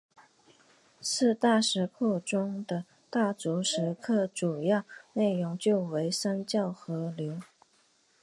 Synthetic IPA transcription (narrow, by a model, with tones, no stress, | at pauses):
sɹ̩˥˧t̪a˥˩ʂɻ̩˧˥kʰɔ˥˩ʈ͡ʂʊ˥ŋd̪ə˨ | t̪a˥˩t͡su˧˥ʂɻ̩˧˥kʰɤ˥˩ʈ͡ʂu˨˩jɑ˥˧ʊne˥˩ɪɻʊ˧˥ŋt͡ɕjo˥˩ʊwe˧˥ɪʂa˥nt͡ɕjɑ˥˩ʊxɤ˧˥ljo˧˥ʊ